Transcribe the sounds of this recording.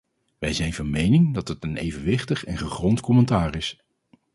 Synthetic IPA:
ʋɛjzɛjnvɑnmejnɪŋdɑtɦətənḛjvənʋɪχtəχɛnχəχrɔntkɔmɛntaːrɪs

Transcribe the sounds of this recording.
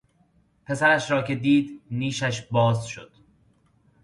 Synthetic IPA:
pʰe̞sæɾæʃɾɒːcʰe̞d̪iːd̪niːʃæʃbɒːzʃo̰d̪̥

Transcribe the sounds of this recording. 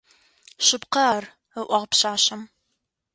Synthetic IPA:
ɕɪpqɐar | əʔʷɐʁpɕaːɕɐm

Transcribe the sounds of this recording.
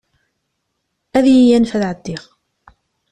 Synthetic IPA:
æðjijænfæðʕəd̪ːiʁ

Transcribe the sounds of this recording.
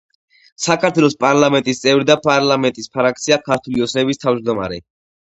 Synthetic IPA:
sakʰaɾt̪ʰwɛlˠɔspʼaɾlˠamɛnt̪ʼist̪sʼɛvɾid̪apʼaɾlamɛnt̪ʼispʰaɾak̚t̪sʰiakʰaɾt̪ʰuliɔt̪sʰnɛbist̪ʰavd͡ʒd̪ɔma̰ɾɛ̰

